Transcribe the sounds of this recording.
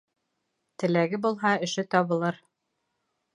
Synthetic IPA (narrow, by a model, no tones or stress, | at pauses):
t̪ɘ̆læɡɘbulˠɦɑɘ̆ʃɘt̪ɒβɤ̆lˠɤɾ